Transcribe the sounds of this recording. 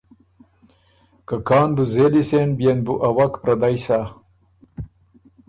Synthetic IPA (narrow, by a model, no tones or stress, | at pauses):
kakɑːnbuzelisenbjenbuʔawakpɾɐd̪ajsa